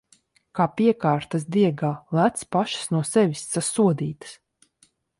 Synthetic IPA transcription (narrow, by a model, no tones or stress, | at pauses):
kaːpiɛkaːɾt̪asd̪iɛɡaːlˠæt̪spaʃi̥snuɔsɛvʲisːasuɔd̪iːt̪ɨ̥s